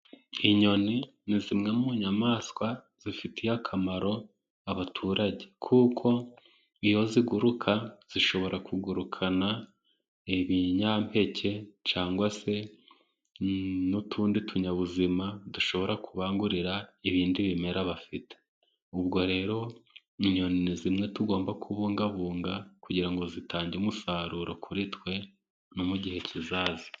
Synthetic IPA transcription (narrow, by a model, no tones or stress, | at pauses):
iɲo̞ni | nizimŋemuɲamaːskwa | z̥ifitʰijakʰamaɾo̞ | aβatʰuːɾaɟe̞kʰuːkʰo̞ | ijo̞ziɡuɾukʰaz̥iʃo̞βo̞ɾʔakuɡuɾukʰana | iβiɲampe̞cʰe̞caːŋɡwase̞ | nutʰuːnditʰuɲaβuzimaduʃo̞βo̞ɾakʰuβaːŋɡuɾiɾaiβiːndiβime̞ɾaβafite̥ | ubɡo̞ɾe̞ːɾo̞ | iɲo̞ninizimŋe̞tuɡo̞ːmbakʰuβuːŋɡaβuːŋɡakuɟiɾaŋɡo̞zitʰaːɲɟumusaːɾuɾo̞kʰuɾitkwe̞ | nomuɟihe̞cizaːzi̥